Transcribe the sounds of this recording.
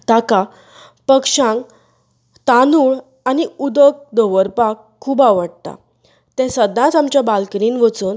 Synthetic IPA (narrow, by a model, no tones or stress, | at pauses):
t̪aka | pəkʂãŋk | t̪anuːɭ | aniud̪ək̚d̪oʋəɾpakʰːuːbaʋəɽ̚t̪a̰ | t̪ɛ̃səd̪nãt͡samt͡ɕjabalkɾiːnʋət͡suːn